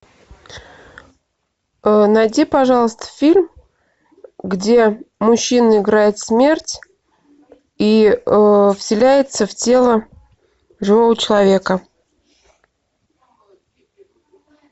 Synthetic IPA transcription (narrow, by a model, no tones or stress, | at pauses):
ənɐjdʲipɐʐɑlˠəst̪ə̥fʲilʲm | ɡdʲe̞mʊɕːinəɪɡɾajɪt̪smʲe̞rtʲ | i | fsʲɪlʲæjɪt̪səftʲe̞lˠə | ʐɨvovət͡ɕɪlˠɐvʲe̞kə